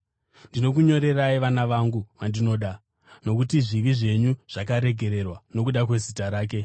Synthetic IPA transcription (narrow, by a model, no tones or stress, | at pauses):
ndino̞kuɲo̞ɾe̞raiʋanaʋaŋɡuʋandino̞ːɗa | no̞k̬utiʐiʋiʐe̞ɲuʐ̥akaɾe̞ɡʱe̞ɾe̞rwano̞k̬uɗakwe̞zitaɾaːk̬e̞